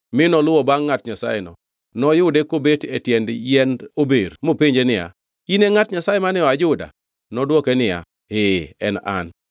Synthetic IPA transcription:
mɪnɔlʊwɔbaŋːatɲasa̰jenɔ̰ | nɔjʊdekobetetjɛndjɛnobeɾmopiɲd͡ʒenɪja̰ | ineŋatɲasajemanɪɔad͡ʒʊda̰ | nɔdwɔkenɪja̰ | ɪɛ̰na̰n

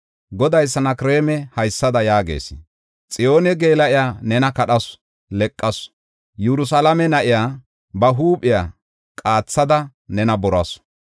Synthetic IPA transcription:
ɡɔd̪ɐjs̬ːɐnɐkɾeːmɛhɐjsːɐd̪ɐjaːɡḛːsɪ | t͡sʼɪjo̞ːnɛɡe̞ːlɐʔɪjaːnɛnɐkɐɗɐs | lɛkʼːɐs | jɛɾʊs̬ɐlɐmɛnɐʔɪjaː | bɐɦuːpʼɪjaː | kʼaːt͡sːɐd̪ɐ | nɛnɐbɔɾɐs

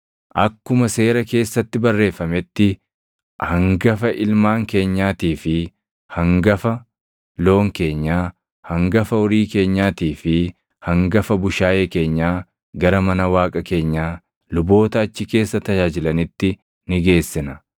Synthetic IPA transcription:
ʔɐkːʊmɐse̞ːɾɐke̞ːsːɐt̪ːɪbɐrːe̞ːfɐmɛt̪ːɪ | hɐŋɡɐfɐʔɪlmaːŋke̞ːɲːaːt̪iːfɪ | hɐŋɡɐfɐ | lo̞ːŋke̞ːɲːaː | hɐŋɡɐfɐɔɾiːke̞ːɲːaːt̪iːfɪ | hɐŋɡɐfɐbʊʃaːjeːke̞ːɲːaː | ɡɐɾɐmɐnɐwaːkʼɐke̞ːɲːaː | lʊbo̞ːt̪ɐːt͡ʃːɪke̞ːsːɐt̪ɐd͡ʒaːd͡ʒɪlɐnɪt̪ːɪ | nɪɡe̞ːsːɪnɐ

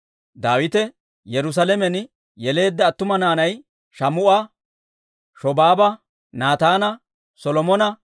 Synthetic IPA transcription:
d̪aːwɪt̪ɛ | jɛɾʊs̬ɐlɛmɛn | jɛle̞ːd̪ːɐːt̪ːʊmɐnaːnɐj | ʃɐmʊʔɐ | ʃɔbaːbɐ | naːt̪aːnɐ | sɔlɔmɔnɐ

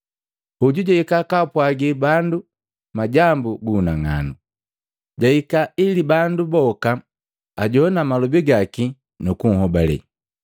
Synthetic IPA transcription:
uɟuɟɔikakapwaɡibandu | maɟambuɡuːnaŋa̰nu | ɟaikailibandubɔka | aɟɔnamalɔbiɡaki | nukuŋ̩ɦɔbalɛ̰

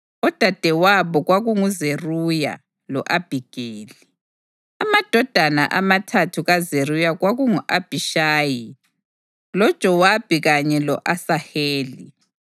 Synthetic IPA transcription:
ɔd̥ʱad̥ʱɛwaβɔɣwaɣuŋuzeruja̰ | lɔ̰ʔab̥ʱiɡ̥ʱeːli | amad̥ʱɔd̥ʱana̰ʔamatʰatʰuɣazerujaɣwaɣuŋuʔab̥ʱiʃaːji | lɔ̥ʒ̥ʼʱɔwab̥ʱiɣaɲɛlɔ̰ʔasaheːli

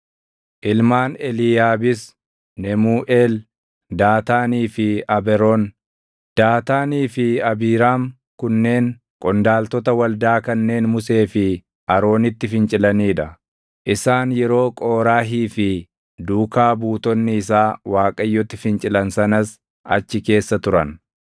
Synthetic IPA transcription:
ʔɪlmaːnɛlijaːbɪs | nɛmuːʔeːl | d̪aːt̪aːniːfɪɐbɛɾoːn | d̪̥aːt̪aːniːfɪɐbiːɾaːm | kʊnːe̞ːŋ | kʼɔnd̪aːlt̪ɔt̪ɐwɐld̪aːkɐnːe̞ːnmʊse̞ːfɪ | ʔɐɾo̞ːnɪt̪ːɪfɪnt͡ʃʼɪlɐniːᶑɐ | ʔɪsaːnjɛɾo̞ːkʼo̞ːɾaːɦiːfɪ | d̪uːkaːbuːt̪ɔnːɪːsaːwaːkʼɐjːɔt̪ːɪfɪnt͡ʃʼɪlɐnsɐnɐs | ʔɐ̰t͡ʃːɪke̞ːsːɐt̪ʊɾɐn

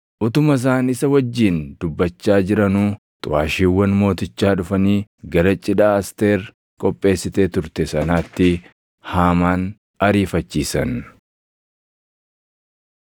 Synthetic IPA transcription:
ʔʊt̪ʊmɐs̬aːnɪsɐwɐd͡ʒːiːnd̪ʊbːɐt͡ʃːaːd͡ʒɪɾɐnuː | t̪ʼʊwaːʃiːwːɐnmo̞ːt̪ɪt͡ʃːaːᶑʊfɐniːɡɐɾɐt͡ʃʼːɪᶑaːɐst̪e̞ːɾ | kʼɔpʼːe̞ːsːɪt̪eːt̪ʊɾt̪ɛsɐnaːt̪ːɪ | haːmaːn | ɐɾiːfɐt͡ʃːiːsɐn

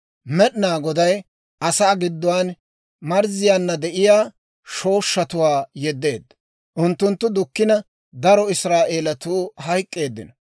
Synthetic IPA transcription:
mɛɗɪnaːɡɔd̪ɐj | ʔɐsaːɡɪd̪ːɔwaːn | mɐɾzɪjaːnːɐd̪ɛʔɪjaː | ʃo̞ːʃːɐt̪ʊwaːjɛd̪ːe̞ːd̪ːɐ | ʔʊnt̪ːʊnt̪ːʊd̪ʊkːɪnɐ | d̪ɐɾɔɪsɾaːʔeːlɐt̪uːhɐjkʼːe̞ːd̪ːɪ̰nɔ

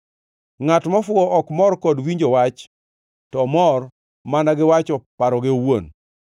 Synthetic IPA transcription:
ŋatmɔfʊɔɔkmɔrkɔdwiɲd͡ʒɔwat͡ʃ | tɔmɔr | manaɡɪwat͡ʃɔpaɾɔɡeowo̰n

